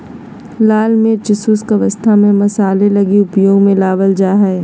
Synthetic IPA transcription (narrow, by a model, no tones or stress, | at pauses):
laːlmeɾt͡ʃɪsuskɐʋəst̪ʰamẽmɐsaːlelɐɡiʊpjoːɡmẽlaːʋəld͡ʒaːɦɛ